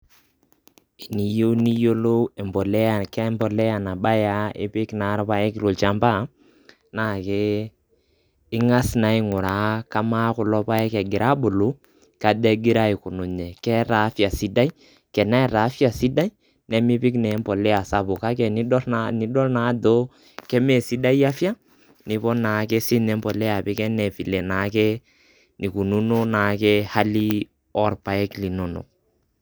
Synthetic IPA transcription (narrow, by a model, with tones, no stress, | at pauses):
i˨ni˨jo˦ni˦jo˦lo˦ɛ˨mbɔ˨lɛ˦a˨kɛ˦mbɔ˨lɛ˦ja˨na˨ɓa˦ja˦ɪ̰˦pɪ˦kna˨˦ɾpa˦jɛ˦kɪ˨ɾo˨lt͡ʃa˦mba˦˨ | na˦˨kɛ˦ | ɪ˦ŋa˦sna˨i˦ŋʊ˨ɾa˨ka˦ma˦kʊ˨lɔ˦pa˦ɛ˦kɛ˨ɡɪ˨ɾʔa˦bʊ˨lʊ˨˦ | ka˨dɛ˦ɡɪ˦ɾa˦i˨kʊ˨nʊ˨ɲɛ˨kɛ˦ɾa˨˦fja˨si˦da˦i˦ | kɛ˨na˦ɛ˨ɾa˨˦fja˨si˦da˦i˦ | nɛ˨mi˦pi˦knɛ˨˦mpɔ˨lɛ˦a˨sa˦bu˨ka˦kɛ˨ni˦dɔ˦ɾani˦dɔ˦lna˨˦do˦ | kɛ˦mɛ˦˨si˦da˦i˦a˦fja˦ | nɪ˨pɔ˦na˨˦kɛ˦si˦nɛ˨˦mbɔ˨lɛ˦a˨pi˦kɛ˦nɛ˨fi˨lɛ˨na˨˦kɛ˦ | ni˨ku˨nu˦no˦na˨kɛ˦ha˦li˦ | ɔ˦rpa˨ɛ˦kli˨no˨no̰˨k̚